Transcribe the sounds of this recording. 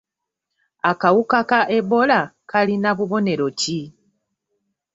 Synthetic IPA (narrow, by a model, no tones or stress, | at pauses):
akawukakaʔe̞βo̞lakalinaβuβo̞ne̞ɾo̞ci